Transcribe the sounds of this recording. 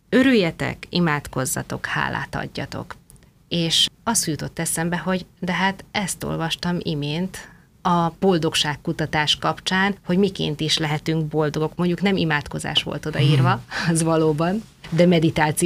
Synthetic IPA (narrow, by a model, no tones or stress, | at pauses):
ø̞ɾyjːɛt̪ɛ̰kimaːt̪ko̞zːɒ̰t̪o̞kha̰ːla̰ːt̪ɒ̰ɟːɒ̰t̪o̞̰k | eːʃɒst̪ujut̪o̞t̪ːɛsɛmbɛɦo̞ɟd̪ɛɦat̪ɛst̪o̞̰lvɒʃt̪ɒmimeːnt̪ | ɒb̥o̞ld̪o̞kʃaːkːut̪ɒt̪aːʃkɒpt͡ʃaːnho̞ɟmikḛːnt̪iʃlɛɦɛt̪yŋk̚bo̞ld̪o̞ɡo̞kmo̞ɲɟuknɛmimaːt̪ko̞za̰ːʃʋo̞̰lt̪o̞d̪ɒiːrvɒɒzʋɒloːbɒn | d̪ɛmɛd̪it̪aːt̪si